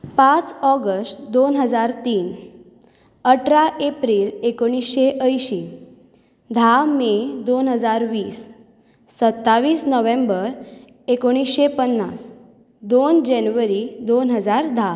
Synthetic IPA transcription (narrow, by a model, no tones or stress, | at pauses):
pãt͡sɔɡəsʈd̪onɦəd͡zaɾt̪iːn | əʈɾaʔepɾiːlekoɽ̃isɕeʔəjɕiː | d̪ʱamed̪onɦəd͡zaɾʋiːsː | ət̪ːaʋiːsnəʋẽmbəɾ | ekoɽ̃isɕepənːas | d̪ond͡ʑenuʋəɾid̪onɦəd͡zaɾd̪ʱa